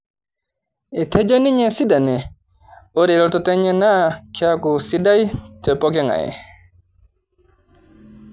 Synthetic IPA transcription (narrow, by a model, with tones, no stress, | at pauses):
i˨tʰe˦d͡ʒo˦ni˦ɲe˨si˦da˨nɛ˨ | o˦ɾe˨lɔ˦tɔ˦tɛ˦ɲe˦na˦kʰɛ˦a˦ku˨si˦da˦jtʰɛ˨pɔ˦kɛ˦ŋa̰˨ɛ̰˨